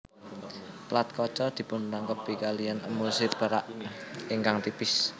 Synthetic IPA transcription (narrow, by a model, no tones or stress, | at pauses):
plat̪̚kɔt͡ʃɔd̪̥i̤pʊnlaŋkəpikalijanəmusɪrb̥a̤ɾa̰ʔiŋkaŋt̪ipɪs